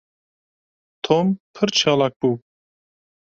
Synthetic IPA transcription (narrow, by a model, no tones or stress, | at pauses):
t̪ʰompʰɨɾt͡ʃʰɑlak̚b̥u